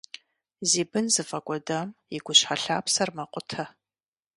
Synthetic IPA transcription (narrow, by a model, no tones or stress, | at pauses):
ziːbɨnzɨfɐkʷʼɔdɐmjiɡʷʊɕħaɬaːpsɐrmɐqʷʼʊtʰɐ